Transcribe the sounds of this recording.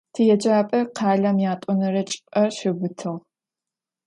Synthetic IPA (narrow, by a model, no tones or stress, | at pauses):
tʰɨjɛd͡ʒʼaːpʼɐqʰɑːɮɐmjaːtʼʊnɐɾɐt͡ʃʼpʼɐʃɪɡʷʊtʰɨʁ